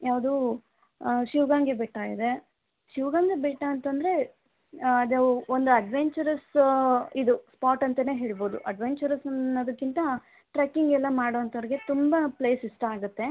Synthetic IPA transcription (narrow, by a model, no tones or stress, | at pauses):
jaːʋɐd̪u | ʃiʋɡaːŋɡebɛʈːaːɡid̪e̞ | ʃiʋɡaːŋɡebɛʈːaːnt̪ɐnd̪ɐɾe̞ | ɐd̪eond̪uɐɖʋeɲt͡ʃɐɾɐs | id̪uspaːʈɐnt̪ɐne̞ːɦe̞ːɭibo̞ːd̪uʔɐɖʋeɲt͡ʃɐɾɐsɐɐd̪ɐkːint̪ɐ | ʈɾɐkiŋɡɛlːɐmaːɽoːɐnt̪ɐʋɾiɡe̞t̪umbɐpleːsiʂʈɐaːɡut̪ːe̞